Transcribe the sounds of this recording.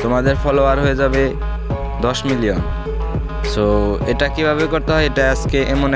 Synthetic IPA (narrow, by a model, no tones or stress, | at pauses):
t̪omad̪eɾfʰɔloaɾɦoed͡ʑabe | d̪ɔʃmilion | soeʈakibʱaβekoɾt̪eɦɔeeʈaaskeʔemon